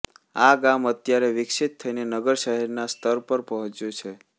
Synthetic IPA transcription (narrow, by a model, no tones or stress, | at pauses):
aɡamət̪jaɾeʋɪksit̪ʰːəinenəɡəɾʃəɦɛɾnast̪əɾpəɾpəɦɔ̃t͡ʃjot͡ʃʰe